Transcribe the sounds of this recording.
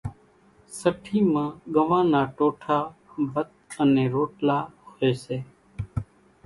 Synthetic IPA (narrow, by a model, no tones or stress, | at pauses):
səʈʰiːmãːɠəʋãːnaːʈoːʈʰaːbət̪ənẽːɾoːʈlaːhoeːseː